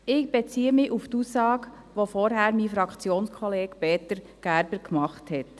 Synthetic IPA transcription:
ɪɡb̥ɛt͡siːəmɪʔuftusɑːɡ | ʋofɔɾɦæɾmifɾɑkt͡sjoːnskʰɔleːɡpeːtəɾ | ɡ̥æɾbəɾkmɑχthɛt

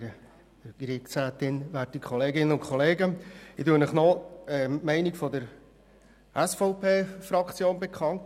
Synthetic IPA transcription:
ɾə | ɡ̥ɾɪsæːtɪnvæːt̚ikʰχɔleːɡɪnənʊnkʰɔleːɡəɪtuənəχnɔɛmɛɪnikfɔdəɾ | ʔɛsfɔʊpʰeːfrɑkt͡sjoːnbekʰχɑnt

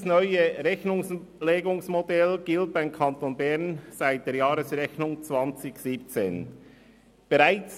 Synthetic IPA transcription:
snɔʏəɾɛçnʊŋsleːɡʊŋsmodɛlɡ̥ɪlt̚b̥aɪmkʰɑntoːnbɛʁnz̥aɪt̚d̥eːɐjaːɾəsʁɛçnʊŋt͡svɑnt͡sɪçz̥iːp̚t͡sḛːn | b̥ɛʁaɪt͡s

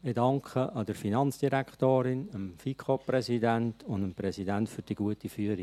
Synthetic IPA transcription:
edɑŋkχəʔɑdəɾfinɑnt͡sd̥iɾækχtoːɾɪnəmfikʰoprɛsidæntʊndəmprɛsidæntfyɾd̥iɡ̥uətifyəɾi

